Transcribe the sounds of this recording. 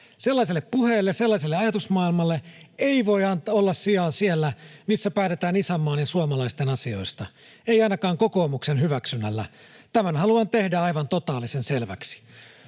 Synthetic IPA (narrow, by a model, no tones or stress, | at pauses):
se̞lːɑis̬elːeppuheːlːeselːɑs̬elːeɑjɑt̪usmɑːilmɑlːeeiʋo̞iɑnt̪olːɑssiɑːsielːæmisːæpæːt̪e̞t̪æːnisæmːɑːnjɑsuɑmɑlɑist̪enɑsio̞jst̪ɑ | eiɑinɑkɑːŋko̞ko̞ːmuksenɦyʋæksynːælːæ̰ | t̪æmænɦɑluɑnt̪e̞hdæɑjʋɑnt̪ot̪ɑːlisenselʋæ̰ksi̥